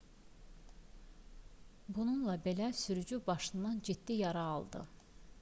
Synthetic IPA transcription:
bununlˠɑbe̞læsyɾyd͡ʒybɑʃɯnd̪ɑnd͡ʒid̪ːijɑɾɑɑ̰lˠd̪ɯ̰

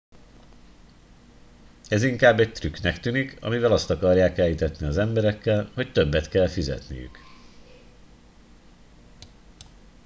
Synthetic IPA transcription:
ɛziŋkaːbːɛct̪ryknɛkt̪yːnikʰɒ̰mivɛlɒst̪ɒkɒrjaːkɛjːit̪ɛt̪niɒzɛmbɛɾɛkːɛlho̞ct̪ø̞bːɛt̪kɛlfizɛ̰t̪nḭjy̰k

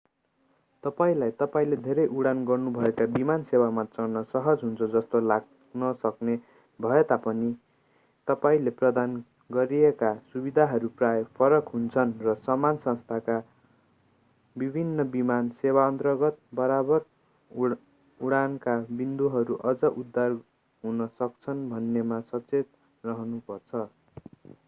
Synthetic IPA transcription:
t̪ʌpaĩlajt̪ʌpaĩled̪ʱeɾʌjʔuɽanɡʌrnubʱʌekabimansewamat͡sʌrnʌsʌɦʌd͡zɦunt͡sʰʌd͡zʌst̪olaɡ̚ | nʌsʌkne | bʱʌet̪apʌni | t̪ʌpaĩleprʌd̪an | ɡʌɾiekasubid̪ʱaɦʌɾuprajpʰʌɾʌkɦunt͡sʰʌnrʌsʌmansʌ̃st̪ʰaka | bibʱinːʌbimansewaʌnt̪rʌɡʌt̪̚bʌɾabʌr | uɽankabind̪uɦʌɾuʔʌd͡zʌʔud̪ːar | ɦunʌsʌkt͡sʰʌnbʱʌnːemasʌt͡set̪̚ | rʌɦʌnupʌrt͡sʰʌ

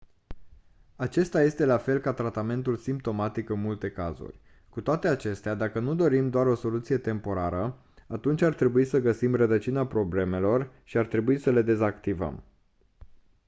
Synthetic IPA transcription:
at͡ʃe̞st̪aje̞st̪e̞lafe̞lkat̪ɾat̪ame̞nt̪ulsimp̚t̪o̞mat̪ikɨnmult̪e̞ka̰zṵrʲ | kut̪oat̪e̞at͡ʃe̞st̪ead̪akənud̪o̞ɾimd̪oaɾo̞so̞lut̪sije̞t̪e̞mpo̞ɾaɾə | at̪unt͡ʃʲart̪ɾe̞buisəɡəsimrəd̪ət͡ʃinapɾo̞ble̞me̞lo̞rʃiart̪ɾe̞buisəle̞d̪e̞zakt̪ivə̰m

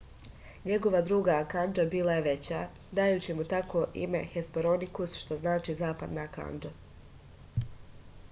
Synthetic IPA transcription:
ɲe̞ɡo̞ʋad̪ɾuːɡakand͡ʒabiːlˠajeʋe̞t͡ɕaː | d̪ajuːt͡ɕimut̪akoʔḭme̞̰xespoɾonikusʃt̪o̞znaːt͡ʃiːzaːpad̪naka̰nd͡ʒa

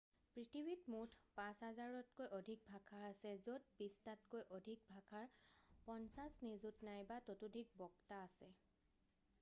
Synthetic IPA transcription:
pɹitʰibitmutʰpãsɦazaɹɔtkojʔodʱik̚bʱakʰaasɛzot̚bistatkojʔodʱik̚bʱakʰaɹpɔnsasnizutnajbatotudʱik̚bɔktaːsɛ

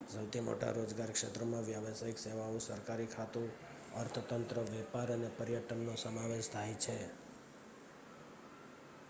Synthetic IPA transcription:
səwt̪ʰimo̰ʈa̰ɾod͡ʒɡaɾkʂet̪ɾəmãʋjaʋəsajikseʋaũsəɾkaɾikʰat̪u | əɾt̪ʰət̪ənt̪ɾəʋɛpaɾənepəɾjəʈənnosəmaʋeʃt̪ʰajt͡ʃʰe

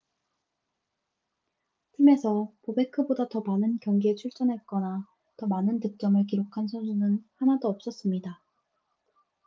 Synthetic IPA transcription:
tʰɯme̞sʰʌpobe̞kʰɯbodatʌmanɯnkjʌŋɡiet͡ɕʰuɭt͡ɕ͈ʌnɦe̞t̚k͈ʌna | tʌmanɯntɯk̚t͡ɕ͈ʌmɯɭk̬iɾokʰansʰʌnsʰunɯnhanadoʌp̚s͈ʌs͈ɯmɲida

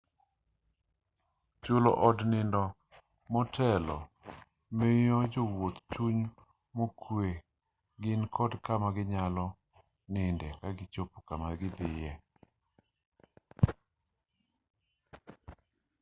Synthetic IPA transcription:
t͡ʃolo̰ʔɔdnɪndɔ | mɔtʰɛlɔ | mɪjɔd͡ʒowot̪t͡ʃuɲ | mokʰwe | ɡɪnkʰɔdkamaɡɪɲalɔ | nɪndɛkaɡɪt͡ʃopo̥kamaɡɪd̪ɪjɛ

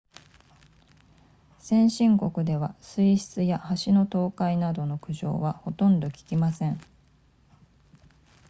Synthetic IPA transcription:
sẽ̞ɰ̃ɕĩŋko̞kɯ̟d̪e̞βasɨiɕi̥t͡sɨjahaɕino̞t̪o̞ːkainad̪o̞no̞kɯ̟ʑo̞̰ːβaho̞t̪õ̞nd̪o̞kʲi̥kʲimasẽ̞ɴ

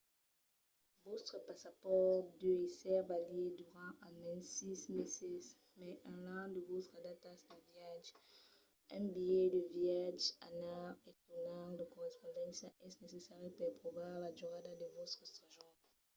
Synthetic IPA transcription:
vot̪χəpasapɔʁd̪øisɛʁbalied̪yʁɑ̃amɛ̃nsismɛsɛs | mɛʔɛ̃lãd̪əvot̪χad̪at̪asd̪əviaʒ | ɛ̃bijed̪əviaʒa̰naʁet̪unaləkɔʁɛspɔ̃d̪ɑ̃sjaʔɛsnesesaʁepɛpχɔvaʁladyʁad̪ad̪əvot̪χəsaʒɔ̃

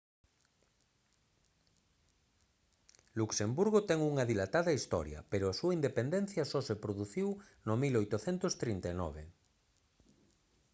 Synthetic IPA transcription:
luksembuɾɣ̞ot̪ɛŋuŋaðilat̪aðɐist̪ɔ̰ɾjɐ̰peɾoasuaind̪epend̪ẽn̟θjɐsɔsepɾoðuθiw | nomilojt̪oθɛnt̪ost̪ɾint̪anɔ̰β̞ḛ

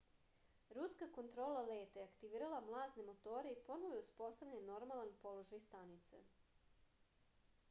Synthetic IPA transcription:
ɾuskako̞nt̪ɾo̞ːlˠale̞ːt̪ajeakt̪iʋiːɾalˠamlˠaːznemo̞t̪o̞ːɾeipo̞noʋojuspo̞st̪aʋʎaenːo̞ɾmalˠanpo̞lˠo̞ʒajst̪anit̪sḛ

